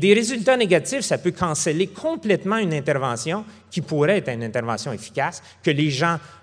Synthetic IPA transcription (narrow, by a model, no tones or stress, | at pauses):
d̪eʁezylt̪aneɡat̪ifsapøkʰɑ̃sɛlekʰɔ̃plɛt̪mɑ̃ynɛ̃t̪ɛʁvɑ̃sjɔ̃ | kʲipuʁɛɛt̪ʁynɛ̃t̪ɛʁvɑ̃sjɔ̃efi̥kʲas | kʲəleʒã